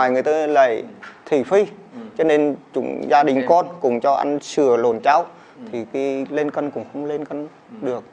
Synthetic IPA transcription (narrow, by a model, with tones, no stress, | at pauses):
aː˨˩jŋɨ˨˩əjt̪aː˧la̰ː˧˨jt̪ʰi˧˩fi˧t͡ɕɔ˧ne˧nt͡ɕʊ̰˧˥ŋ͡mzaː˧ɗï˨˩ŋ̟kɔ˧nkʊ̰˧˩˥ŋ͡mt͡ɕɔ˧ʔa̰˧jŋsɨ˧˩əlo˨˩nt͡ɕa˧w | t̪ʰi˨˩ki˨˧˦le˧nkə˧nkʊ̰˧˥ŋ͡mxə˧wŋ͡mle˧nkə˧n | ɗɨ˨˩ək̚